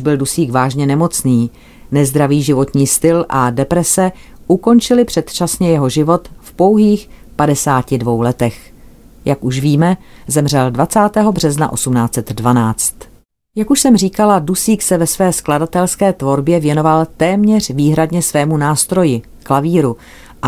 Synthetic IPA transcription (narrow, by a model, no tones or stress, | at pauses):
ʒbɪldusiːɡvaːʒɲɛnɛmo̞t͡sniː | nɛzd̪ɾaviːʒɪvo̞t̪ɲiːst̪ɪlʔadɛpɾɛsɛ | ʔuko̞nt͡ʃɪlɪpr̝̥ɛt̪t͡ʃasɲɛjɛɦo̞ʒɪvo̞t̪fpo̞wɦiːxpadɛsaːcɪdvo̞wlɛt̪ɛx | jakuʃviːmɛzɛmr̝ɛldvat͡saːt̪ɛːɦo̞br̝ɛzna̰ʔo̞sumnaːt͡sɛt̪dvanaːt͡st̪ | jakuʃsɛmr̝iːkaladusiːksɛvɛsvɛːskladat̪ɛlskɛːt̪vo̞ɾbjɛvjɛno̞valt̪ɛːmɲɛr̝̥viːɦɾadɲɛsvɛːmunaːst̪ɾo̞jɪ | klaviːɾu | ʔa